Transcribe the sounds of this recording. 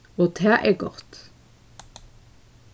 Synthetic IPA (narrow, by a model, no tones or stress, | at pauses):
oːt̪ʰæːʔeːɡɔ̰ʁt̪